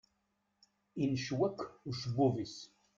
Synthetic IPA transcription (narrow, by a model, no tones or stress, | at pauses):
inʃwækːʊɾʃəbuvis